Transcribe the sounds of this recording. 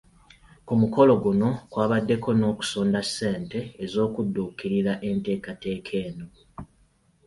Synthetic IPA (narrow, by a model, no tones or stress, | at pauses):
kumuko̞lo̞ɡuno̞kwaːβadːe̞kʰo̞no̞ːku̥soːndasːe̞ːnte̞ːzo̞ːkudːuːkiɾiɾaʔe̞nte̞ːkate̞ːkʰe̞ːno